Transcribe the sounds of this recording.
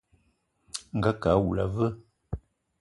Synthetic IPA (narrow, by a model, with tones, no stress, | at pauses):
ŋ̩˨ɡa˦ka˨˦wu˨la˨və˦